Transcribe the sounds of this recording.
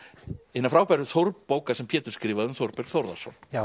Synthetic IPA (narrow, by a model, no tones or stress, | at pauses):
ɪnːafɾaːwpajɾʏθoɾppoːwkasɛmpʰjɛːt̪ʏ̥ɾ̥skɾiːvaðʏmθoɾpɛɾ̥θɔwɾða̰sɔ̰n